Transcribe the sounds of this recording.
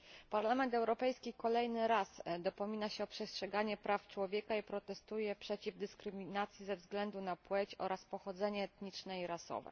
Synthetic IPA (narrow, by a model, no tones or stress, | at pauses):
paɾlamɛnt̪ɛwɾɔpɛjskʲikɔlɛjnɘɾasd̪ɔpɔmʲinaɕɛɔpʂɛstʂɛɡaɲɛpɾaft͡ʂwɔvʲjɛkaipɾɔt̪ɛst̪ujɛpʂɛt͡ɕivd̪ɘskɾɘmʲinat̪sʲjizɛvzɡlɛnd̪unapwɛt͡ɕɔ̰ɾaspɔxɔd̪zɛɲɛːt̪ɲit͡ʂnɛiɾasɔ̰vɛ̰